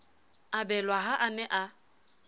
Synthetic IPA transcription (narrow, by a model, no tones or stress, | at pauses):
abɛlwaɦaʔanɛʔa